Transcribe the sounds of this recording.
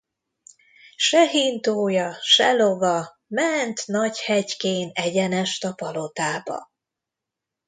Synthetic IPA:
ʃɛɦint̪oːjɒʃɛlo̞vɒ | mɛnt̪nɒɟhɛɟkeːnɛɟɛnɛʃt̪ɒpɒlo̞t̪aːbɒ̰

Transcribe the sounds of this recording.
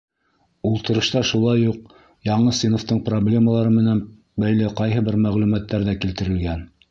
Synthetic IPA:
ulˠt̪ɤ̆ɾɤ̆ʃt̪ɑʃulˠɑjːuq̚ | jɑɴɤsinoft̪ɤɴproblʲe̞məlˠɑɾɤmɘ̆næn | bæjlɘqɑjɦɤbɘɾmæʁlʉmæt̪ːæɾðækilt̪ɘ̆ɾɘ̆lɡæn

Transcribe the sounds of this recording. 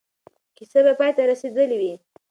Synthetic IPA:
kisabapɑjt̪aɾased̪əliwi

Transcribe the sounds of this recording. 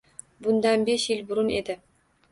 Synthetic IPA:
bʊnd̪ɑnbeʃjɪlʲbʊɾʊned̪ɪ

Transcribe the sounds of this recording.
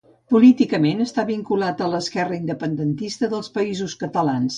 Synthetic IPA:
pulit̪ikəmenəst̪aβiŋkulat̪ələskɛrəind̪əpənd̪ənt̪ist̪əðəlˠspəizuskət̪əlans

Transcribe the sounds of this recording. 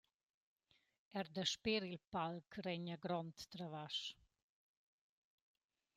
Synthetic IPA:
ɛɾd̪əʃpeɾilpalkʰrɛɲaɡɾɔnt̪ːɾavaʃ

